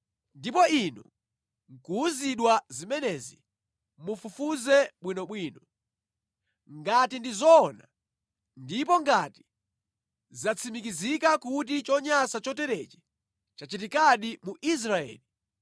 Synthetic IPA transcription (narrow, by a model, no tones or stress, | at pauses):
ndipɔinṵ | ŋ̩kuziɗwazimɛnɛzi | mufufuzɛɓwinɔɓwiːnɔ | ŋɡatindizɔːna̰ | ndipɔŋɡati̥ | zat͡sʰimik̬izikakutit͡ʃɔɲasat͡ʃɔtɛɾɛt͡ʃɛ̥ | t͡ʃat͡ʃit̬ikaɗimuʔis̬ɾaɛ̰ːli